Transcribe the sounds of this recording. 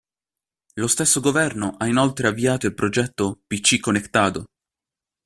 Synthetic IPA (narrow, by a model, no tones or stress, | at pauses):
lost̪esːoɡovɛrnoʔainolt̪ɾeavːiaːt̪oilpɾod͡ʒɛt̪ːopit͡ʃːikːonːekt̪aːt̪o